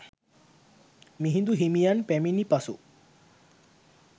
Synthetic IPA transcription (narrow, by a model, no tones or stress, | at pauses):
miɦind̪uɦimijanpɛminipaso